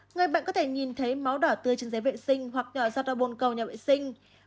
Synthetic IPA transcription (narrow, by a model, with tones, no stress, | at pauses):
ŋɨ˨˩jɓa̰ː˧˨nkɔ˨˦t̪ʰe˧˩ɲi˨˩nt̪ʰə˨˦jma˨˦wɗɔː˧˩t̪ɨ˧ət͡ɕi˨˦nze˨˦vḛ˧˨sï˧ŋ̟ɦwa˨˩k̚ɲɔ˧˩zaː˧t̚ɗɔ˧˩ɓo˨˩nkə˨˩wɲaː˨˩vḛ˧˨sï˧ŋ̟